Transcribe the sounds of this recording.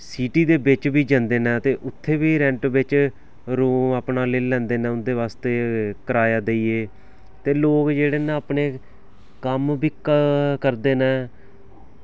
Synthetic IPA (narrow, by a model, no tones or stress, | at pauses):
siːʈiːd̪eːbɪt͡ʃbiːd͡ʒə̃nd̪eːnɛ̃ːt̪eːʔʊt̪ʰːeːbiːɾɛ̃ːɳʈʋɪt͡ʃ | ɾuːmaːpnaːleːlɛ̃ːnd̪eːnɛ̃ːʊnd̪eːʋaːst̪eːkəɾaːjaːd̪eːieː | t̪eːloːkd͡ʒeːɽeːnãːəpɳeː | kəmbiːkkəɾd̪eːnɛ̃ː